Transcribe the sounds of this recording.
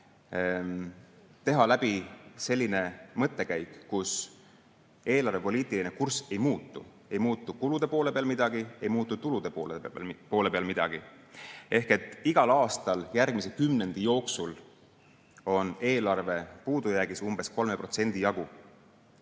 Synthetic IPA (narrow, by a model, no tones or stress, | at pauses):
t̪e̞ɦɑlæb̥ise̞lʲːine̞mɤt̪ːˑe̞kæjkːus | e̞ːlɑrve̞po̞liːt̪ˑilinekurse̞jmuːt̪ːˑṵ | e̞jmuːt̪ˑːukulud̪̥e̞po̞ːle̞pe̞ɑlmid̪̥ɑɡ̥ie̞jmuːt̪ːˑut̪ulud̪̥e̞poːlpo̞ːlepe̞ɑlmid̪̥ɑ̰ɡ̥i | e̞hke̞t̪ːˑiɡ̥ɑlɑːst̪ɑljærɡ̥mise̞kymne̞nd̪̥ijo̞ːksul | o̞ne̞ːlɑrve̞puːd̪̥ujæɡ̥isumb̥e̞sko̞lme̞pro̞t̪se̞nd̪̥ijɑɡ̥u